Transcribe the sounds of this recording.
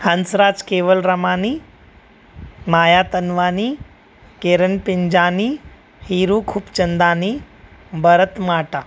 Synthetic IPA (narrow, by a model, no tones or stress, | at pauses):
hənsɾaːd͡zkeʋəlɾəmaːniː | maːjat̪ənʋaːniː | keɾənpiɲd͡ʑaːniː | hiːɾukʰuːpt͡ɕənd̪aːniː | bəɾət̪maːʈa